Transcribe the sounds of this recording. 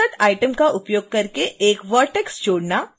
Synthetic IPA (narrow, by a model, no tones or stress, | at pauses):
əʈ̪ajʈəmkaʔʊpjoːɡ̚kɐɾkeeːkʋəʈekst͡ʃoːɽna